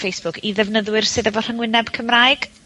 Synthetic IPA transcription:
fejsb̥ʊkʰiðɛvnəðwɨrsɨːðəvɔr̥əŋwɪnɛb̥kʰəmraɨɡ̥

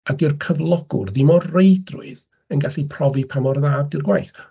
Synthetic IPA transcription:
adɪrkʰəvlˠɔɡ̥ʊ̰rðɪmɔrrejdrʊ̰ɨð | ənɡaɬipʰrɔvipʰamɔrðaːd̚dɪrɡwajθ

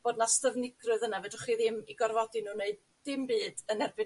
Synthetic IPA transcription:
b̥oːdnastəvnɪɡrɨðənavɛdɪχiːðɪmiɡɔrvɔdinuːneɨd | ɪmbɨːdənɛrbɨ

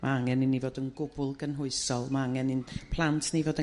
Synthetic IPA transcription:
mʔa̰aŋɛnɪnːivoːdənɡʊbʊlˠɡənɦʊɨsɔlˠmaaŋɛnɪnpʰlˠantʰnivoːdə

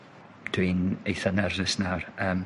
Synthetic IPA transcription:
tʰwinejθənɛrðɪsnawrəːm

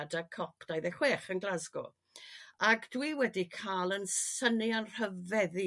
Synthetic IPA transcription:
dakʰɔpʰd̥ajðɛχweːχənɡlˠazɡɔ̰ | aɡd̥wiwɛdikʰaːlˠənsənianr̥əvɛði

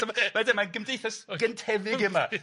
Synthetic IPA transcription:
amamadɪmanɡəmdejθasɡ̥əntʰɛvɪɡɪma

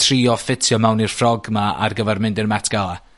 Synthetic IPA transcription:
tʰriːɔfɪtʰjɔmawnir̥frɔɡmaa̰rɡəvɛrmɪndɪrmɛtʰɡ̥alˠa

